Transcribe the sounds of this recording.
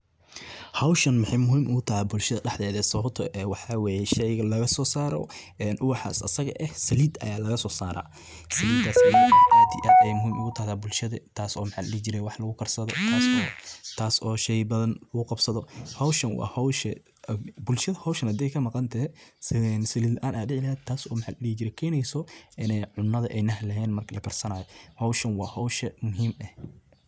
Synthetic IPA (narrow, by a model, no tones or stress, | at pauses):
hɐwʃɐnmɪħɛjmʊɦiːmʔʊɣʊt̪ʰɐhɐbʊlʃɐðɐɖɛħd̪ɛːðɛːsɐβɐbt̪ʰɔʔɛːwɑħɑwɑːjɛʃɛjɣɐlɐɣɐsɔːsaːɾɔ̰ | ɛːnʔʊwɑħɑ̰a̰ːsɐ̰sɐɣɐ̰ʔɛhsɐliːd̪ɐ̰jaːlɐɣɐsɔːsaːɾa̰ː | sɐliːd̪aːsɛjaʔaːt̪ʰɪʔɐɛjmʊɦiːmʔʊɣʊt̪ʰɐhðaːbʊlʃɐðɐt̪ʰaːsɔːmħɑ̰lɐt͡ʃɪɾɛjwɑħlɐɣʊkʰɐrsɐðɔt̪ʰaːsɔːt̪ʰaːsʔɔːʃɛjbɐðɐnlɐɣʊqɑbsɐðɔhɔwʃɐnwɑ̰ːhɔwʃɐ | bʊlʃɐðɐhɔwʃɐnhɐd̪ɛjkʰɐmɑqɑnt̪ʰɐɛ | nsɪlilʔaːnʔaːd̪ɪʕɪlɐɦɛːd̪̚t̪ʰaːsɔːmħaːllit͡ʃɪɾɛjkʰɛːnɛjsɔʔɪnɛjʕʊnːɐðɐʔɛjnɐɦlɐɦɛːnmɐrkʰɐlɐkʰɐrsɐnaːjɔhɔwʃɐnwɑːhɔwʃɐmʊɦiːmɛh